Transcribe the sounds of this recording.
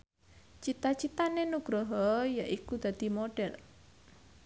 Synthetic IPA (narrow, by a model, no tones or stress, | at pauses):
t͡ʃit̪at͡ʃit̪anenuɡ̥ɾɔɦɔjaʔikud̪̥ä̤d̪̥i̤moɖ̥ɛr